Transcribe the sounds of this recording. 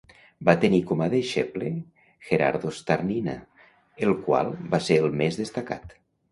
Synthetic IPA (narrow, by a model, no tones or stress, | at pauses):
bat̪enikomaðeʃeple | xeɾa̰ɾðost̪aɾnina̰ | elˠkwa̰lˠbaseelˠmezðest̪aka̰t̪